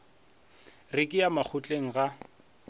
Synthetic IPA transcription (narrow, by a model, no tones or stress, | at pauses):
rɪkʼɪjamak͡xʰʊt͡ɬʼeŋ̩ɣa